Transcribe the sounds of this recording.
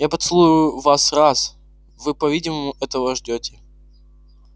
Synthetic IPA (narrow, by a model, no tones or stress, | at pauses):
japɐt̪sɨlˠuʂʊvasras | vɨpɐvʲidʲɪməmʊʔɛt̪əvəʐdʲotʲɪ